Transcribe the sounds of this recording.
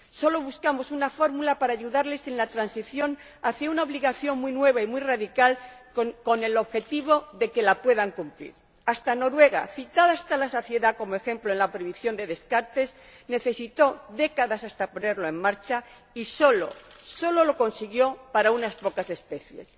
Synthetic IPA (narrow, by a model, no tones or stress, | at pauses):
so̞lo̞βuskamo̞sunafo̞ɾmulapaɾaːʝuðaɾle̞senlat̪ɾansiθjo̞n | aθjaunaoβliɣaθjo̞ŋmuijnwe̞β̞aimwiraðikal | ko̞ne̞lo̞βxe̞t̪iβ̞o̞ðe̞ke̞lapwe̞ðaŋkumplḭɾ | ast̪ano̞ɾwe̞ɣ̞a̰θit̪aðaast̪alaso̞θje̞ðako̞moe̞xe̞mploe̞nlapɾeβiθjo̞nd̪e̞ðe̞skaɾt̪e̞s | ne̞θe̞sit̪o̞ðe̞kaðasast̪apone̞ɾlo̞e̞ŋmaɾt͡ʃa | iso̞lo̞̰so̞lo̞lo̞ko̞nsiɣjo̞paɾaunaspo̞kase̞spe̞θje̞̰s